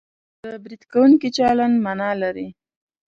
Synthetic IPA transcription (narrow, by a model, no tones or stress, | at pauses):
d̪əbɾid̪kawuŋkit͡ʃɑlanmanɑlaɾi